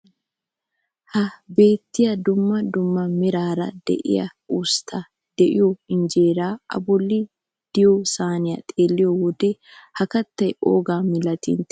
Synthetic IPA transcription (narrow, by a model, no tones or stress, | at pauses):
hɐbe̞ːt̪ːɪjɐd̪ʊmːɐd̪ʊmːɐmɪɾaːɾɐ̰d̪ɛ̰ʔɪ̰jɐ̰ust̪ʰːɐ | d̪̥ɛʔɪjɔɪnd͡ʒe̞ːɾaːʔɐ̰bɔlːɪ | d̪̥ɪjɔsaːnɪjɐt̪ʼeːlːɪjɔwɔd̪ɛhɐkɐt̪ːɐjo̰ːɡaːmɪlɐt̪ḭnt̪ɛ̥